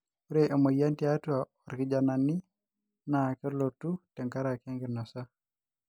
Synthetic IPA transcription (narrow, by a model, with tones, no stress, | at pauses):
u˦ɾe˦ʔe˨ma˨ja˦nti˦a˦tu˦a˨ | ɔ˨ɾki˨d͡ʒa˨na˨nːi˦ | na˨kɛ˦ɾlo˨tːu˦tɛ˨ŋka˦ɾa˨ke˦ŋɡi˨na˨sa˦